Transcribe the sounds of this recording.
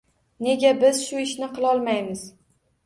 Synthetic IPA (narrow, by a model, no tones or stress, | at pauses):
ne̞ɡʲabɪz̥ʃʊɪʃnɪqʰɨlˠɒlˠmajmɪz̥